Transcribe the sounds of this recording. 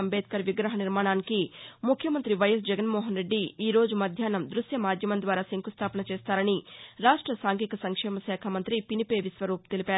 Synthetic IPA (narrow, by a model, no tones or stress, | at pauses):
ɐmbeːt̪̚kɐɾʋiɡɾɐɦɐniɾmaːɳaːnikimukʰjɐmɐnt̪ɾiʋɐjɐs̬d͡ʒɛɡɐnmɔːɦɐnɾe̞ɖːiiːɾo̞ːd͡ʒumɐd̪ʱjaːnɐmd̪ɾusjɐmaːd̪ʱjɐmɐnd̪ʋaːɾaːsiŋkust̪ʰaːpɐnɐt͡ʃeːst̪aːɾɐniɾaːʂʈɾɐsaːŋkikɐsɐŋkʂɛːmɐsɛːkʰɐmɐnt̪ɾipinipeːʋisʋɐɾuːp̚t̪elipaːɾ